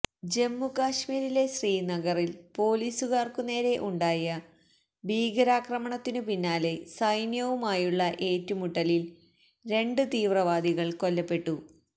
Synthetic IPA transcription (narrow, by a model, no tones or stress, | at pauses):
d͡ʑe̞mːukaːʂmiːɾile̞ɕriːnɐɡɐrilpo̞ːliːsuɣaːrkune̞ːɾe̞ʔuɳɖaːjɐ | bʱiːɡɐɾaːkrɐmɐɳɐt̪ːinɨpinːaːle̞sɐjnjɐʋumaːjuɭːɐʔe̞ːtːumuʈːɐlil | ɾe̞ɳɖɨt̪iːʋrɐʋaːd̪ʱiɣɐɭko̞lːɐpːe̞ʈːu